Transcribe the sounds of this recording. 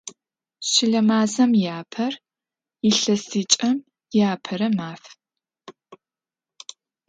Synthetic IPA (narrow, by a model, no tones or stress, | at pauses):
ɕɪɮɐmaːzɐmjaːpʰɐr | ɪɬɐstʰiːt͡ʃʼɐm | jaːpʰɐɾɐmaːf